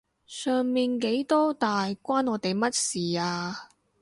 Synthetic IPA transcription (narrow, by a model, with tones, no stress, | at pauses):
sœː˨ŋmiː˨nke˨˥jt̪ɔː˥t̪aː˨jkʷaː˥nɔː˨˧˥t̪e˨jmɐ˥t̚siː˨˩aː˧